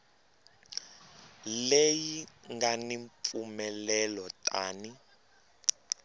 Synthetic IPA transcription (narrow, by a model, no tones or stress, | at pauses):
lejiŋɡaniɱp̪fumɛlɛlɔtʼaːni